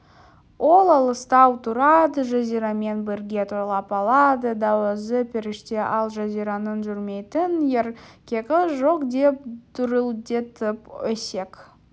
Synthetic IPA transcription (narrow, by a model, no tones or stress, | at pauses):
wo̞lˠɑlˠəst̪ɑwt̪ʰuɾɑd̪əʒaziɾɑme̞nbɪɾɡʲe̞t̪ʰuɾlˠɑpɑlˠɑd̪əd̪ɑwəzəpʲʰɪɾɪʃt̪eʔɑlˠʒɑzijɾɑnənʒʏɾme̞jt̪ɪnjeɾkʲekʲəʒoqd̪e̞p̚d̪̥ʊɾəlˠd̪e̞t̪ʰəpɵse̞k